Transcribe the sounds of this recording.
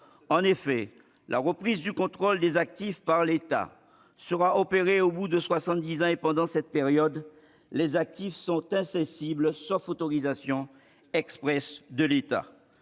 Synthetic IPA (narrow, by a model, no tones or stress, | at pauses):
ɑ̃nefɛ | lʔa̰ʁəpχizd̪ykɔ̃t̪χold̪ezak̚t̪ifpaʁlet̪a̰ | səʁaʔɔpeʁeobud̪əswasɑ̃t̪̚d̪izɑ̃epɑ̃d̪ɑ̃sɛt̪̚peʁjɔd̪ | lezak̚t̪ifsɔ̃t̪ɛ̃sɛ̃siblsɔfot̪ɔʁizasjɔ̃ | ɛkspχɛsd̪əlet̪a̰